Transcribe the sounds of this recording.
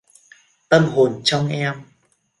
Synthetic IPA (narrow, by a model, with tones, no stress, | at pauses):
t̪ə˧mɦo˨˩nt͡ɕɔ˧ŋ͡mʔɛ˧m